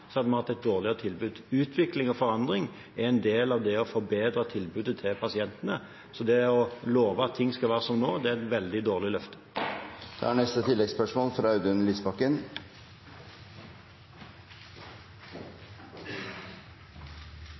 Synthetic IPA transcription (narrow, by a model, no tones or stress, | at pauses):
sɑd̪mɑt̪ɛɪt̪̚d̪oːʁlɪəʁət̪ʰɪlbʉd̪ʉːt̪ʰʋɪklɪŋɔfɔʁɑnd̪ʁɪŋ | æɛnd̪eːlɑʋd̪ɛɔfɔbeːd̪ɾət̪ʰɪlbʉːd̪ət̪ʰɪlpʰɑsɪɛnt̪ənə | sɔd̪ɛɔloːʋəɑt̪ʰːɪŋːskɑlʋæːʁəsɔmnoːd̪ɛæt̪ʋɛld̪ɪd̪oːʁlɪlœft̪ə̥d̪̥ɛ̰hæɳɛst̪ət̪ʰɪlːɛɡspœʂmoːlfɾɑʉd̪ʉnliːsbɑkːən